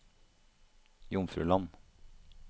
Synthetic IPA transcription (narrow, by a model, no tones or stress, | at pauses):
jʊmfɾʉ̰ːlɑn